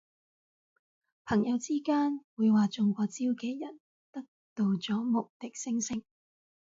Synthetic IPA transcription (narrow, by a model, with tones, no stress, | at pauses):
pʰɐ˨˩ŋjɐ˨˧wt͡siː˥kaː˥nwuː˨˧jwaː˨t͡sʊ˨ŋkʷɔː˧t͡siː˥wkɛː˨˧jɐ˨˩n | t̪ɐ˥k̚t̪o˧wt͡sɔː˨˥mʊ˨k̚t̪ɪ˨k̚sɪ˥ŋsɪ˥ŋ